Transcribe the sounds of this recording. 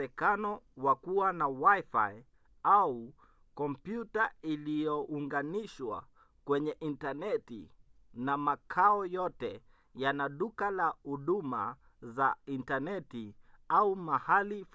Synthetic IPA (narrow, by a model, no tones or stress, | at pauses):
ɛkanɔwakuwanawajfa̰i | au | kɔmpjutailijɔʔuŋɡaniʃwa̰ | kwɛɲɛʔintanɛtḭ | namakʰaɔjɔtɛ | janaɗukalahuɗuma̰ | zaintanɛtiaumahalif